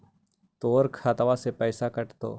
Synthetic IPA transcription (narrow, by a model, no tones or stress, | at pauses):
t̪oːɾkʰaːt̪ʋasepɛːsakɐʈt̪o̰ː